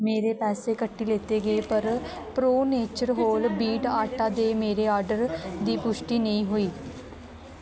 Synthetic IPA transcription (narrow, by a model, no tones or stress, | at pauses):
meːɾeːpɛːseːkəʈːiːleːt̪eːɡəeːpəɾ | pɾoːneːt͡ʃəɾɦoːlbiːʈaːʈaːd̪eːmeːɾeːɔːɾɖəɾd̪iːpʊʃʈiːnəĩːɦoːiː